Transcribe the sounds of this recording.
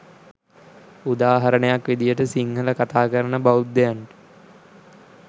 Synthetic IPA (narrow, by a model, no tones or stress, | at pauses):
ud̪aːɦɐɾənejakʋed̪ijəʈəsiŋɡələkat̪aːkəɾənəbaud̪ːejaɳʈə̥